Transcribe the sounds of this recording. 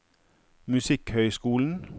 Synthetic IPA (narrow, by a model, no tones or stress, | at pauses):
mʉsɪkhœʏskuːln̩